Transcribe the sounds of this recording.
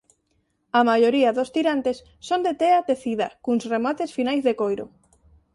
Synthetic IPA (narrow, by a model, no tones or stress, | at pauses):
amajoɾiaðost̪iɾant̪esːond̪et̪eat̪eθiða̰kuŋsremat̪esfinajzðekojɾo̰